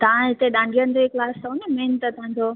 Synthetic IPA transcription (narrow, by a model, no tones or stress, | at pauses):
t̪ɐãɦɪt̪eɗãːɳɖʱijənd̪eklaːst̪ɐʊnemẽːnt̪ət̪ʰãːɲ̆d͡ʑo